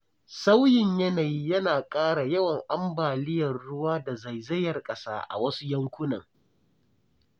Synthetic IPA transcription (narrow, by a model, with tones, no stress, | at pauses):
sa˦wjɪ˨ɲjɐ˦na˨jiː˦jɐ˦naː˨kʼaː˦ɽa˨jɐ˦wɐ˨ŋʔa˦mbaː˨lɪ˦jɐ˨rːʊ˦waː˦da˨za˨jzɐ˦jɐ˨rkʼɐ˦sa̰ː˦ʔa̰˨wɐ˦su˦jɐ˦ŋkʷʊ˦nɐ̰˨ŋ